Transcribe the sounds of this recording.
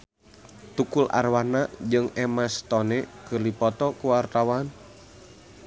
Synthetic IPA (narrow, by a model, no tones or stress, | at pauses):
t̪ukulʔa̰rwanaʔd͡ʒɨŋɛmast̪ɔnɛkɨrlipɔt̪ɔkuwart̪awan